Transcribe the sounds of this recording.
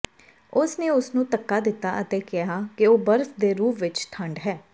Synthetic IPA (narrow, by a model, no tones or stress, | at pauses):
ʊsneːʊsnũːt̪əkːaːd̪ɪt̪ːaːʔət̪eːkɪɦaːkɪoːbəɾsd̪eːɾuːpʰʋɪt͡ʃt̪ʰəɳɖɦɛː